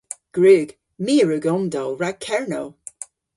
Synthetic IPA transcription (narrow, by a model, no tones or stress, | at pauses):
ɡ̥ɹʉːɡ̥ | miːɹʉɡɔmdɔwɹaɡ̚kʰɛɹnow